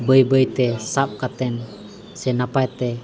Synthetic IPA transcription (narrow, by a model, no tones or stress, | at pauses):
bəibəit̪esap̚kat̪ɛn | sɛnapat̪ɛ